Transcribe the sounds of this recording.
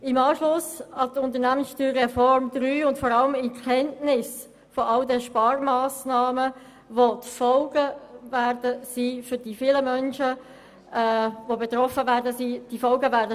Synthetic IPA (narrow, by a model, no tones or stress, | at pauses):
ɪmɑːʃlʊsɑtʊnt̪ənæmənsʃtyːɛfɔɾmdɾyːʊntfɔɾɑləmɪntkʰɛntnɪs | foʔɑldɛʃpɑːrmaːsnaːmə | ʋotfɔlɡəværdəsiːfʏɾd̥iːfɪləmœnʃə | ɛvobet̪rɔfəvæːɾdəsiːd̥ifɔlɡəvæːɾdə